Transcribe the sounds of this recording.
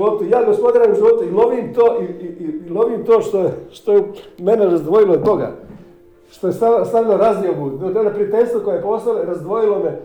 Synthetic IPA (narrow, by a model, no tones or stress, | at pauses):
opt̪ejaːɡospo̞d̪aɾamʒiʋot̪eilˠoʋiːmt̪oːʔiiilˠoʋiːmt̪oːʃt̪ojeʃt̪ojemeneɾazd̪ʋo̞jilˠoːd̪bo̞ɡa̰ | ʃt̪ojest̪ast̪aʋiloɾazjaɡud̪ot̪onapɾiat̪eʎʲst̪ʋokojejeposlˠaeɾazd̪ʋo̞jilome